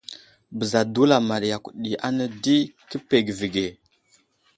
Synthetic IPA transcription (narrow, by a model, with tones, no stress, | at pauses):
bə˨za˨du˦la˨ma˨ɾja˨ku˨ɗi˨ʔa˦nə˦di˦kə˦pe˨ɡvi˨ɡe˨